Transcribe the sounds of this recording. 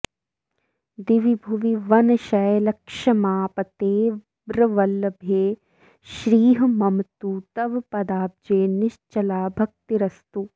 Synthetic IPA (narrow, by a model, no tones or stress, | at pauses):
d̪iʋibʱuʋiʋɐnɐʃɐjlɐkʃɐmaːpɐt̪eː | bɾɐʋɐlːɐbʱeː | ʃɾiːɦɐmɐmt̪ut̪ɐʋpɐd̪aːp̚d͡ʒeːnɪʃt͡ʃɐlaːbʱɐk̚t̪iɾɐst̪u